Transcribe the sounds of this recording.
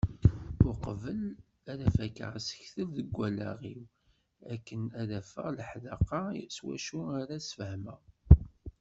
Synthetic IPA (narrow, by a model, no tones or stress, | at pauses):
ʊɾqəvəl | æðæfækːə̰ʁsə̥çθəlðəɡʷːælæ̰ʁiw | ækːənæðæfə̰ʁləħðɑqɑswæ̰ʃuaɾasfəhmə